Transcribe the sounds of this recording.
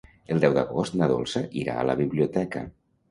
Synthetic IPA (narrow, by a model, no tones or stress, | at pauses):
əlˠd̪ɛwd̪əɣost̪nəðo̰lˠsəʔiɾa̰ələβiβliut̪ɛkə̰